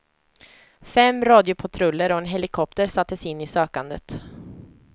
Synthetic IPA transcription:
fɛmɾɑːd̪ɪʊpʰat̪ʰɾɵlːəɾɔɛnɦɛlɪkʰɔp̚t̪əɾsat̪ːəsɪnːɪsøːkand̪ə̰t̪

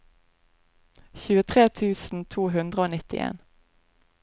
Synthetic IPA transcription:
çʉːət̪ʰʁeːt̪ʰʉːsn̩t̪ʰuːɦʉnd̪ʁəoːnɪt̪ɪ̰ʔḛːn

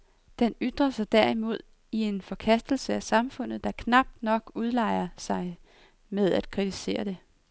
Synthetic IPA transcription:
d̥enyd̥ʁɐsɑ̈ɪd̥æɐ̰imo̝ð̞̰ˠ | ie̝nfɒ̽kʰæsd̥l̩səæsɑ̈mfɔ̽n̰ð̞̩ˠd̥ɑ̈kʰnɑ̈b̥̚d̥nɒ̽ɡ̥uð̞ˠlɑ̈ɪɐsɑ̈ɪ | með̞ˠæd̥̚kʰʁit͡sʰise̝̰ːɐd̥e̝

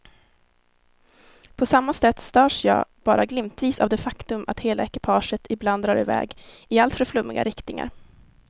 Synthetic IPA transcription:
pʰɔsamːasɛt̪ːst̪œːʂjɑ̰ːb̥ɑːɾʔaɡlɪmt̪viːsa̰vd̪ɛfakt̪ɵmʔa̰t̪heːlaɛkɪpʰɑːʂət̪ʰɪbland̪ɾɑːɾɪ̰vɛ̰ːɡ | ɪalt̪fœɾflɵmːɪɡa̰ɾɪkt̪ɪŋa̰ɾ

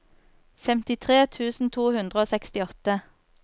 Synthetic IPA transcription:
fɛmt̪ɪt̪ʰʁeːt̪ʰʉːsn̩t̪ʰuːhʉnd̪ʁəoːsɛkst̪ɪɔt̪ə

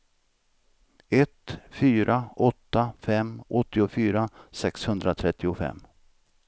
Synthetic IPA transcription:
ɛt̪fyːɾʔaɔt̪ːafɛmʔɔt̪ːɪʊfyːɾasɛkshɵnd̪ɾat̪ʰɾɛt̪ːɪʊfɛ̰mː

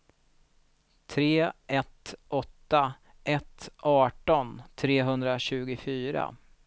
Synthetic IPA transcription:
t̪ʰɾeːʔɛt̪ʔɔt̪ːa | ʔɛt̪ʔɑːʈɔnt̪ʰɾeːɦɵnd̪ɾaɕʉ̟ːɡʊfyːɾa̰

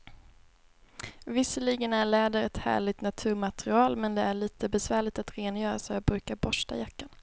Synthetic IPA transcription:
vɪsːəɭiɡənæɭɛːd̪əɾɛt̪hæ̰ːɭɪɡt̪nat̪ʰʉ̟ːɾmat̪ɾɪɑːlmɛnd̪ɛæɭiːt̪əbɛsvæːɭɪɡ̚t̪at̪ɾeːnjœːɾasɔjɑːbɾʉ̟ːkaɾbɔʂʈa̰jakːan

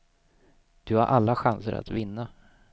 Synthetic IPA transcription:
d̪̥ɵhaɾʔalːaɧansəɾa̰t̪vɪnːa

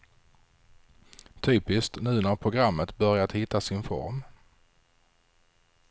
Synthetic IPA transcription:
t̪ʰyːpɪst̪nʉ̟ːnæɾpʰɾʊɡɾamːət̪bœɾjat̪hɪt̪ːasɪnfɔ̰ɾm

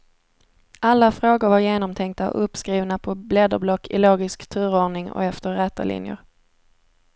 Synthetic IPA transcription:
ʔalːafɾoːɡʊɾvaɾjeːnɔmt̪ʰɛŋk̚t̪aɔ̰ʔɵpskɾiːvnapʰɔblɛd̪əɾblɔkʰːɪ̰loːɡɪskt̪ʰʉ̟ːɾoːɳɪŋɔ̰ɛft̪əɾɾɛːt̪a̰lɪ̰njə̰ɾ

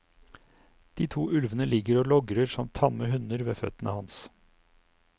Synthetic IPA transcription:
d̪̥iːt̪ʰuːʔʉlʋənəlɪɡəɾoːlɔɡɾəɾsɔmt̪ʰɑməhʉnəɾʋeːfœ̰t̪ənʔəhɑns

